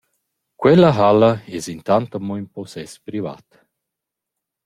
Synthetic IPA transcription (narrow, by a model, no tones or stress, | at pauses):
kwɛləɦaləɛzint̪ant̪əmɔinpɔsɛspɾiva̰t̪